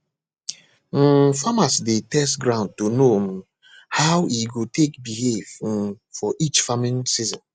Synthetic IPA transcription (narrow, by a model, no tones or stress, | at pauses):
famasdetɛstɡɾãʊ̃nd̚tuno | hawiɡotʰekbihev | fɔʔit͡ʃfamĩnsizɔ̃n